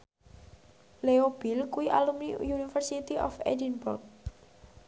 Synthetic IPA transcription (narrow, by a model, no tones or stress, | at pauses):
leob̥ilkuiʔalumnijunifərsit̪iʔɔfḛdinburk̚